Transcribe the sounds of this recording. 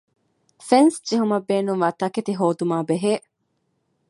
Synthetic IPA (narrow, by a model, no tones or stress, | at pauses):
fensd͡ʒeɦumɐbːeːnuŋʋɐt̪ɐket̪iɦoːd̪umaːbeɦeː